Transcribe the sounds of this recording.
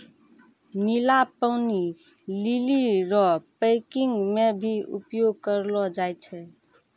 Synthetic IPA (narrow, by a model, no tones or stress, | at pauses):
nilapəʊni | liliɾɔpəɪkiŋɡmebʱiṵpjoɡ̚kəɾlɔd͡ʒajt͡ʃʰɛ